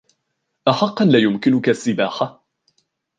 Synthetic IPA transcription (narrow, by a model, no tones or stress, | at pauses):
ʔaħɑqːɑnlaːjʊmkɪnʊkasːɪbaːħa